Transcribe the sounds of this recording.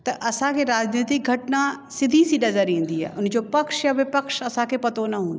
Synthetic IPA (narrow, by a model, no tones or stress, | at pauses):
t̪ɐʔɐsãkʰeɾaːd͡ʑneːt̪ɪk̚ɡʱɐʈna | sɪd̪ʱisinɐzəɾĩːnd̪iɦa̰ːʔʊnd͡ʑopɐkʃjaʋɪpəkʃɐsãkʰepɐt̪onɐɦũːnd̪o